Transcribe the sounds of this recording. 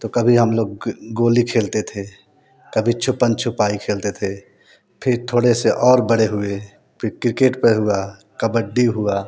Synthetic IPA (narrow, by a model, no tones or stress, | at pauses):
t̪okəbʱiɦəmloːɡɡoːlikʰeːlt̪et̪ʰe | kəbʱit͡ʃʰʊpːənt͡ʃʰʊpaikʰeːlt̪et̪ʰe | pʰɪɾt̪ʰoːɽeseʔɔːɾbəɽeɦue | pʰɾkɾɪkeːʈpəɾɦua | kəbəɖiɦua